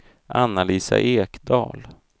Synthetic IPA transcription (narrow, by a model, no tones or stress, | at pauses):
ʔanːaliːsa̰ʔeːkd̪ɑːl